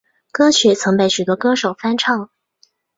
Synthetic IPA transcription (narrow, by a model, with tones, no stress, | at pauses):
kɤ˥ɕɥɛ˧˥t͡sʰɤ˧˥ŋpe˥˩ɪɕy˨˩t̪wɔ˥kɤ˥ʂo˨˩ʊfa˥nʈ͡ʂʰɑ˥˩ŋ